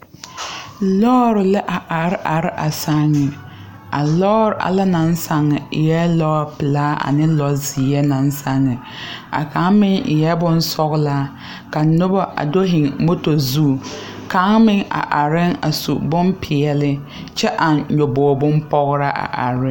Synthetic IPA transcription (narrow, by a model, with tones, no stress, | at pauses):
lɔː˦ɾɪ˨lɪ˦ʔa˨ʔa˨ɾʔa˨ɾɪ˦ʔa˨sa˦ŋːɪ˨ | a˨lɔː˦ɾɪ˨ʔa̰˨la˦na˨˦nsa˨ŋːɪ˨ɪ˨jɛ˦lɔː˦˨pɪ˨laː˦ʔa̰˨nɪ˦lɔ˨zi˨˦ɛ˦na˨nsa˦ŋːɪ˨ | a̰˨ka˨˦ŋmɪ˦ŋɪ˨jɛ˦bʊ˦nsɔ˦ɣlaː˦ | ka˨nʊ˦bɔ˦ʔa̰˨do˦ɦɪ˨ŋmo˦to˨zu˦˨ | ka˨˦ŋmɪ˦ŋa̰˨ʔa˨ɾɪ˦ŋa̰˨sṵ˨bʊ˦mpʰɪ˨ɛ˨lɪ˦ | t͡ʃɛ˦ʔa˨ɲo˨bɔː˨bʊ˦mpɔ˦ɣɾa˦ʔa̰˨ʔa̰˨ɾɪ˦